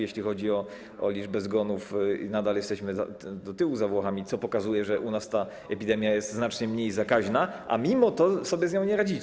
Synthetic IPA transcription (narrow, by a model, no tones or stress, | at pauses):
jeɕlʲixɔd͡ʑiɔ | ɔ̰lʲiʐbɛzɡɔnufnad̪aljɛst̪ɛɕmɘza̰d̪ɔt̪ɘwuzavwɔxamʲit̪sɔpɔkazujɛʐɛʔunast̪a | ɛpʲid̪ɛmʲjajɛst̪znat͡ʂɲɛmɲejzakaʑnaʔa̰mʲimɔt̪ɔsɔbʲjɛzɲɔ̃w̃ɲɛɾad͡ʑi